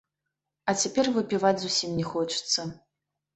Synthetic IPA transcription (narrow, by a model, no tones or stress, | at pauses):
ɐt͡sʲapʲɛrvɨpʲivat͡sʲzusʲimnʲɛxɔt͡ʂɨ̥t̪sːɐ